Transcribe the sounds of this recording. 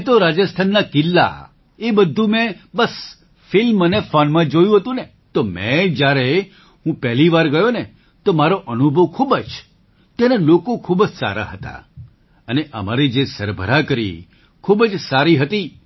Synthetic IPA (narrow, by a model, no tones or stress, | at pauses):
t̪oɾad͡ʒəst̪ʰanːakɪlːa̰ | ebəd̪ʱːũmɛ̃bəs | fɪlmːənefɔnmãd͡ʒojũɦət̪ũne | t̪omɛ̃d͡ʒjaɾe | ɦũpɛɦliʋaɾɡəjone | t̪omaɾoʔənubʱəʋkʰubəd͡ʒ | t̪jenelokokʰubəd͡ʒsa̰ɾa̰ɦət̪a̰ | əneʔə̰maɾid͡ʒesəɾbʱə̰ɾakəɾḭ | kʰubəd͡ʒsaɾiɦət̪i